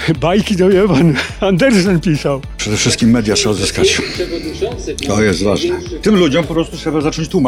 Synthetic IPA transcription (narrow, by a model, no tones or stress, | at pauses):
bajkʲid̪ɔjɛvanand̪ɛɾsɛnpʲisawpʂɛd̪ɛfʂɘst̪̚kʲimːɛd̪jat̪ʂɛɔd̪zɘskat͡ɕ | t̪ɔjɛst̪va̰ʐnɛt̪ɘmlud͡ʑɔmpɔpɾɔst̪utʂɛbazat͡ʂɔɲt͡ɕt̪uma